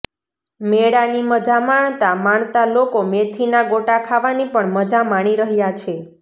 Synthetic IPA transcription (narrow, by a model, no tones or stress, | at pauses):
meɽaniməd͡ʒamaɳt̪amaɳ̃t̪alokomet̪ʰinaɡoʈakʰaʋanipəɳməd͡ʒamaɽ̃iɾəɦjat͡ʃʰe